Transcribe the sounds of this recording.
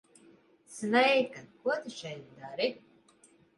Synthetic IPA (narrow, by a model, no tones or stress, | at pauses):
svɛjkakuɔt̪ɨʃɛjt̪d̪aɾi